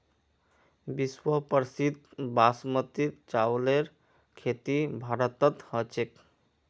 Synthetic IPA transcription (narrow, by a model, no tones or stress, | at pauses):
biswəpəɾsid̪̚basmət̪it̪t͡ʃawleɾ | kʰet̪ibʱaɾət̪ət̪hət͡ʃek